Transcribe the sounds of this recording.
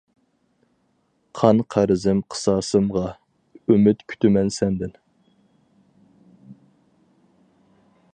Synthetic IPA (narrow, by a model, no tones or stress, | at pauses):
qʰɑnqʰæɾɪzɪmqʰə̥sɑːsɨmʁɑ | ymɪt̪kʲʰy̥t̪ʰymɛnsɛnd̪ɪn